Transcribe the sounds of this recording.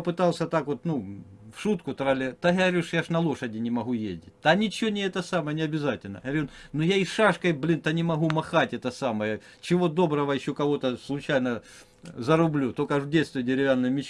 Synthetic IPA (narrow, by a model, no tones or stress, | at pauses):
pɨt̪ɑlˠsʲɐt̪akot̪nufʂut̪kʊt̪ɾɐlʲɛt̪aɦɐɾʲiʂjaʂnɐlˠo̞ʂɐdʲɪnʲɪmɐɦujḛzʲdʲɪt̚ʲt̪anʲɪt͡ɕɪonʲɪɛt̪ɐsaməjənʲɪɐbʲɪzatʲɪlʲnə̰ɦɐɾʲinnʊjaisʂaʂkɐjblʲint̪anʲɪmɐɦumɐxatʲɛt̪ɐsaməjə | t͡ɕɪʋo̞d̪o̞bɾəʋɐjɪɕːo̞kɐʋo̞t̪əslˠʊt͡ɕajnə | zɐɾʊblʲut̪okɐʐdʲej̪st̪vʲɪjdʲɪɾʲɪvʲanːɨjmʲɪt͡ɕ